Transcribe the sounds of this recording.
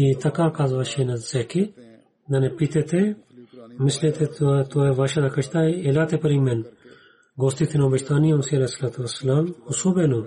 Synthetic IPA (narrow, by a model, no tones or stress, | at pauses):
it̪ɐkaːɾkaːzʋɐʃenɐzsɛki | nɐnepit̪et̪ʰe | mislet̪ʰet̪oeʋaʃɐd̪ɐkʰɐʃt̪aːjelaːt̪epɐɾimen | ɡoːst̪it̪ʰinoːbɐʃt̪aːnijɐmsiɐlesːɐlaːt̪uʋɐsːɐlaːmhusubenu